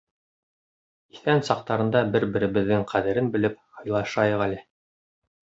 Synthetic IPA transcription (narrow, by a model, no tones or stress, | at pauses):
i̥θænsɑq̚t̪ɑɾɤ̆nd̪ɑbɘɾbɘ̆ɾɘ̆βɘ̆ðːɘŋqʰæðɘ̆ɾɘnbɘ̆lɘp̚hɤ̆jlˠɑʃɑjɤ̆ʁælɘ